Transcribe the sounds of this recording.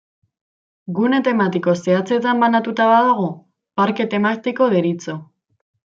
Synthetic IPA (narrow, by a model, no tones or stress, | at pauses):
ɡunet̪e̞mat̪iko̞seat͡se̞t̪ambanat̪ut̪aβaðoɣ̞u | paɾke̞t̪e̞mat̪iko̞ðeɾit͡so̞